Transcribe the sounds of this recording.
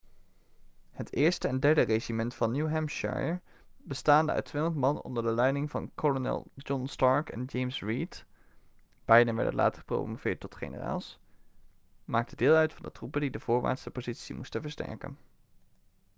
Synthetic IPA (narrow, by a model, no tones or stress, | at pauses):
hətɪːɹstəɛndɛɹdəreʒimɛntfɑnːjuwɦɛmʃa̰ɹjəɹ | bəstaːndəœ̰ɥtʰʋɪŋənmɑnɔ̰ndəɹdəlɛjnɪŋvɑ̰nkɔlonɛ̰lˠd͡ʒɔnstɑɹkɛ̰nd͡ʒejmsɹit | b̥ɛjdənʋɛ̰ɹdə̰nlʔa̰ːtəχə̥pro̰mvɪːɹtːɔtχḛnə̰ra̰ːlˠs | maːk̚tədɪːlˠœɥtfɑndətrupəndidəv̥ʊːɹʋa̰ːɹtstəpozitsḭmustənvəɹstɛ̰ɹkə̰n